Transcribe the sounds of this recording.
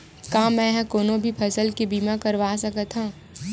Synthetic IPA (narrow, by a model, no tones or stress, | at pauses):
kãːmɛ̃ɦɛ̃koːnõbʱipʰɐsəlkibiːmakɐɾʋaːsɐkət̪ʰɦãː